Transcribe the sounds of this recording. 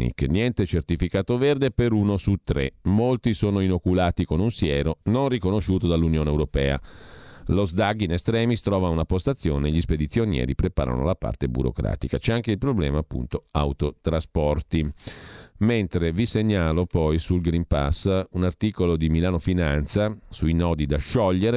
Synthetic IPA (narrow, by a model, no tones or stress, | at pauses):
nḭkenjɛnt̪et͡ʃert̪ifikaːt̪overd̪epeɾuːnosut̪ːɾḛmolt̪isoːnoinokulaːt̪ikonunsjɛːɾononrikonoʃuːt̪od̪alːunjoːneːwɾopɛ̰ːa̰ | lozd̪aɡːinest̪ɾɛːmist̪ɾɔːvaunapːost̪at̪sːjoːneːʎisped̪it̪sːjonjɛ̰ːɾipɾepa̰ːɾa̰no̰lapa̰rt̪ebṵɾo̰kɾa̰ːt̪ikat͡ʃɛaŋk̟eilpɾoblɛ̰ːmaːpːṵnt̪oa̰wt̪ot̪ɾaspɔrt̪i | ment̪ɾeviseɲːaːlopɔjsulɡɾimpa̰sunart̪iːkolod̪imilaːnofinant̪sasuinɔːd̪id̪aʃɔʎːeɾ